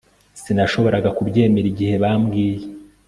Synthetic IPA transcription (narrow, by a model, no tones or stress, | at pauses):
sinaʃo̞βo̞ɾaɡakubɟe̞ːmeɾiɟihe̞βamɡiːje